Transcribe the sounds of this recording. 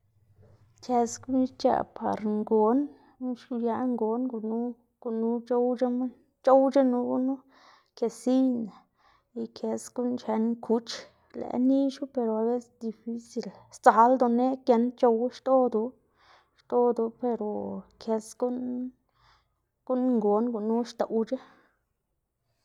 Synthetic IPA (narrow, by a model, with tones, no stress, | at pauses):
ke˧sɡu˦n˦t͡ʃa̰˧˨pʰa̰˨ɾŋɡo˨˦n | nu˦ʃu˧ja˧ŋɡo˨nɡu˧nu˦ | ɡ̥u˧nu˧˦t͡ʃo˦wd͡ʒa˦ma˦ | t͡ʃo˦wt͡ʃa˦nu˧ɡu˦nu˦ | ke˧si˦jna˨ | i˨kʰe˧sɡu˦nt͡ʃe˧nkʰu˧˦t͡ʃ | lḛ˨ni˦ʃu˦pe˧ɾo˨a˨be˦sd̪i˧fi˧si˨lst͡sa˨˦ld̪o˧ne˦kje˧nt͡ʃo˧wʃt̪o˦d̪u˧˦ | ʃt̪o˦d̪u˧pe˧ɾo˨kʰe˧sɡu˦n | ɡ̥u˦n˧ŋɡo˨˦nɡu˧˨nu˦ʃt̪o˨wt͡ʃa˦